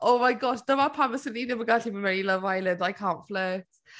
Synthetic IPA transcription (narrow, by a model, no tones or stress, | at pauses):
ʔoʊmaɪɡɒʃd̥əmapʰaməsə̃nʔidəməɡatiməmɛɹiləvaɪlə̃ndaɪkʰãːnflɜːt